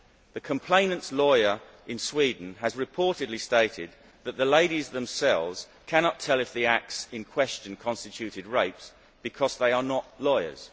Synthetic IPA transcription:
ðɨkʰə̃mpʰl̥ẽɪ̃nə̃ntslɔɪə˞ | ɪ̃nswiːdⁿn̩əzɹɪpʰɔɹɾɨdˡlisteɪɾɪd̪̚ | ðət̪ʔ̪̚ðəleɪɾizðə̃msɛlˠvz̥ | kʰæñɑtʰɛlˠɨfðiæk̚tsɪ̃nkʰw̥ɛst͡ʃɨ̃nkʰɒ̃nstɪt͡ʃʰʉɾɪd̚ɹeɪps | b̥ɨkʰɒzðeɪə˞nəʔlɔɪə̰˞z̥

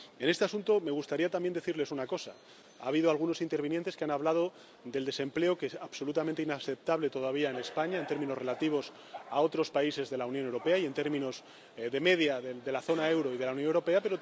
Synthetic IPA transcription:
e̞ne̞st̪easunt̪o̞me̞ɣ̞ust̪aɾiat̪ambje̞nd̪e̞θiɾle̞sunako̞sa | a̰ːβ̞ið̞oalɣuno̞sint̪e̞ɾβinjent̪e̞skeanaβlað̞o̞ | ðe̞ld̪e̞se̞mple̞okesaβso̞lut̪ament̪einaθe̞p̚t̪aβle̞t̪o̞ðaβ̞iaene̞spaɲae̞nt̪e̞ɾmĩno̞sre̞lat̪iβ̞o̞s | ao̞t̪ɾo̞spaise̞zðe̞launjone̞wɾope̞aie̞nt̪e̞ɾmĩno̞s | ðe̞me̞ðjaðed̪e̞laθo̞nae̞wɾo̞ið̞e̞launjonewɾo̞pe̞ape̞ɾo

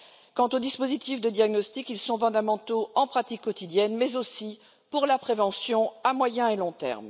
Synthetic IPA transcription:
kɑ̃t̪od̪ispozit̪ifd̪əd̪jaɡnɔst̪ikilsɔ̃fɔ̃d̪amɑ̃t̪oɑ̃pχat̪ikːɔt̪id̪jɛnmɛzosi | puʁlapχevɑ̃sjɔ̃amwajɛ̃elɔ̃t̪ɛ̰ʁm

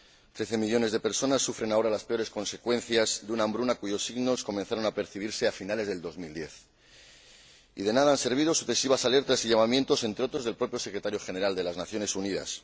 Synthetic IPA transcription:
t̪ɾe̞θe̞miʎo̞ne̞zðe̞pe̞ɾso̞nasːufɾe̞nao̞ɾalaspe̞o̞ɾe̞sko̞nse̞kwe̞n̟θjazd̪eunambɾunakuʝo̞sːiɣno̞sko̞mẽ̞nθaɾo̞nape̞ɾθiβ̞iɾse̞afinale̞zðeld̪o̞zmild̪je̞θ | iðe̞naðaanse̞ɾβ̞iðo̞suθe̞siβasale̞ɾt̪asiʝamamje̞nt̪o̞se̞nt̪ɾeo̞t̪ɾo̞zð̞e̞lpɾo̞pjo̞se̞kɾe̞t̪aɾjo̞xe̞ne̞ɾald̪e̞laznaθjo̞ne̞suniða̰s

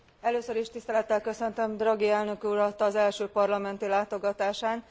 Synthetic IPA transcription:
ɛløːsøɾiʃt̪ist̪ɛlɛt̪ːɛlkøsø̞nt̪ømd̪rɒɡiɛlnø̞kuɾɒt̪ːɒːzɛlʃøːpɒrlɒmɛnt̪ilaːt̪o̞ɡɒt̪aːʃaːn

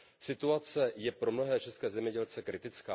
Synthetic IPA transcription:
sɪt̪uat͡sɛjɛpɾo̞mno̞ɦɛːt͡ʃɛskɛːzɛmɲɛɟɛlt͡sɛkɾɪt̪ɪt͡ska̰ː

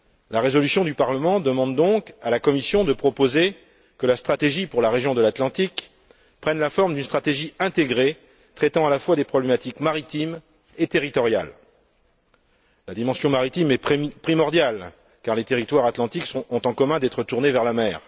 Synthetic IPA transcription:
laʁezɔlysjɔ̃d̪ypaʁləmɑ̃d̪əmɑ̃d̪d̪ɔ̃kalakɔmisjɔ̃d̪əpχɔpoze | kəlast̪χat̪eʒipuʁlaʁeʒjɔ̃d̪əlat̪lɑ̃t̪ik | pχɛnlafɔʁmd̪ynst̪χat̪eʒiɛ̃t̪eɡʁe | t̪χɛt̪ɑ̃alafwad̪epχɔblemat̪ikmaʁit̪im | et̪eʁit̪ɔʁja̰l | lad̪imɑ̃sjɔ̃maʁit̪imɛpχimɔʁd̪jal | kaʁlet̪eʁit̪waʁat̪lɑ̃t̪iksɔ̃ːt̪ɑ̃kɔmɛ̃d̪ɛt̪χət̪uʁnevɛʁlamɛːʁ

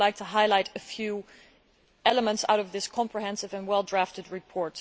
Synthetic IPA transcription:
laɪk̚tʰəɦaɪlaɪɾɨfjʉ | ɛlˠəmə̃ntsa̰ʊɾʌvðɪskʰɑ̃mpʰɹiɦɛ̃nsɨvɨ̃nwɛlˠdɹæftɨd̚ɹɨpʰɔɹt

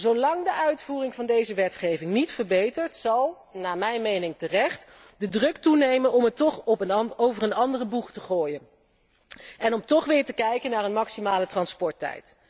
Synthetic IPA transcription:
zowlɑŋdəʔœɥtfuːrɪŋvɑndejzəʋɛtχejvɪŋnitfəɹbejtəɹtsɑlˠ | naːmɛjnmejnɪŋtərɛχt | dədrɵktunejmənɔmətɔχpəowvərənɑndərəbuχtəχoːjən | ɛnɔmtɔχʋɪːɹtəkɛjkənaːɹənmɑksimaːlətrɑnspɔɹtɛ̰jt

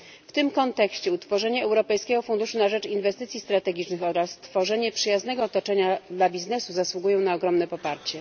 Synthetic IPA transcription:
ft̪ɘmkɔnt̪ɛkɕt͡ɕɛut̪fɔʐɛɲɛːwɾɔpɛjskʲɛɡɔfund̪uʂunaʐɛt͡ʂinvɛst̪ɘt̪sʲist̪ɾat̪ɛɡʲit͡ʂnɘxɔɾast̪fɔʐɛɲɛpʂɘjaznɛɡɔːt̪ɔt͡ʂɛɲad̪labʲiznɛsuzaswuɡujɔ̃w̃naɔɡɾɔmnɛpɔpaɾt͡ɕɛ

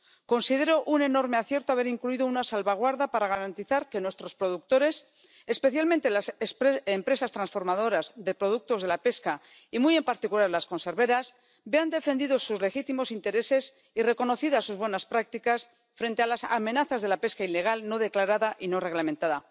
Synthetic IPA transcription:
ko̞nsiðe̞ɾo̞ʔune̞no̞ɾme̞aθje̞ɾt̪oaβe̞ɾiŋkluiðounasalβaɣ̞waɾðapaɾaɣ̞aɾant̪iθaɾke̞nwe̞st̪ɾo̞spɾo̞ðuk̚t̪o̞ɾe̞s | espeθjalment̪e̞lasspempɾe̞sast̪ɾansfo̞ɾmaðo̞ɾazðe̞pɾo̞ðuk̚t̪o̞zðe̞lape̞ska | imuje̞mpaɾt̪ikulaɾlasko̞nse̞ɾβe̞ɾas | be̞and̪e̞fe̞nd̪iðo̞suzle̞xit̪imo̞sint̪e̞ɾe̞se̞s | ire̞ko̞no̞θiðasuzβwe̞naspɾak̚t̪ikas | fɾe̞nt̪ealasame̞naθazðe̞lape̞skaile̞ɣ̞alno̞ðe̞klaɾaðaʔino̞re̞ɣlament̪aða

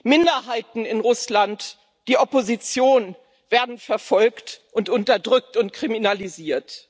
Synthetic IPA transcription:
mɪndɐɦaɪtn̩ɪnʁʊslant | d̥iːʔɔpozit͡sjoːn | v̥eːɐdn̩fɛɐfɔlktʔʊntʊntɐdʁʏk̚tʊnt̚kʁ̥iminaliziːɐt

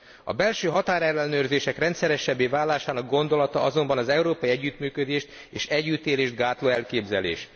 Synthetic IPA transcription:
ɒ̰bɛlʃøːɦɒt̪aːɾɛlːɛnøːrzeːʃɛkrɛnt̪sɛɾɛʃɛbːeːvaːlːaːʃaːnɒɡ̚ɡo̞n̪d̪o̞lɒt̪ɒʔɒzo̞mbɒnɒzɛuɾoːpɒiɛɟːyt̪myːkød̪eːʃt̪ | eːʃɛɟːyt̪eːleːʒd̪̚ɡaːt̪loːɛlkeːbzɛlḛːʃ

